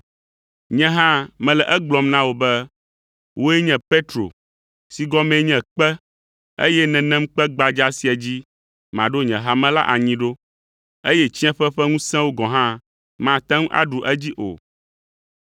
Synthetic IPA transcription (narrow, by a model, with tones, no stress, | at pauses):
ɲɛ̃˦ɦã˦mɛ̃˨lɛ˨ʔɛ˦ɡ͡blɔ˨mnã˦wo˨bɛ˦ | wʔo˦ɛ˦ɲɛ̃˨pe˦t̪ɾo̰˨ | si˨ɡɔ˦mɛ̃˨˦ɲɛ̃˨k͡pɛ˦ | ḛ˦jɛ˦nɛ̃˨nɛ̃˦m˦k͡pɛ˦ɡ͡ba˨d͡ʒa˦si˨a˨d͡ʑi˦ | mã˨ɖo˦ɲɛ̃˨ɦa˦mɛ̃˦la̰˦ʔa˨ɲĩ˦ɖo˦ | e˦jɛ˦t͡ɕi˦ɛ̃˦ɸɛ˦ɸɛ˦ŋũ˦sɛ̃˦wo˦ɡɔ̃˨ɦã˦ | mã˨t̪ɛ̃˦ŋũ˦ʔa̰˦ɖu˨ʔɛ˦d͡ʑi˦ʔo̰˨